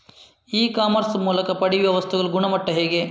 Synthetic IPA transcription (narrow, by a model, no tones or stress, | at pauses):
iːkaːmɐɾsmuːlɐkɐpɐɽiʋjɐʋɐst̪ʰɛɡɐɭuɡuɳɐmɐʈːɐɦe̞ːɡe